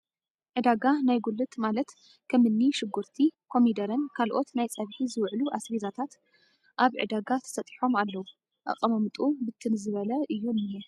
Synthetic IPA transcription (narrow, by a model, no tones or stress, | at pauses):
ʕɨd̪aɡanajɡulːɨt̪ʼmalɐt̪ | kʰɐmɨnːiʃɨɡuɾt̪ʰikʰo̞mid̪ɐɾɐnkʰalʔo̞t̪najt͡sʼɐβħizɨwʕluʔasɾizat̪ʰat̪ | ʔaβʕɨ̰d̪aɡat̪ʰɐ̥sɐt̪ʼi̥ħo̞malːɐwu | ʔɐ̰χʼɐmɐmɨt̪ʼubɨt̪ʰːɨnzɨβɐlɐʔɨjːunɛ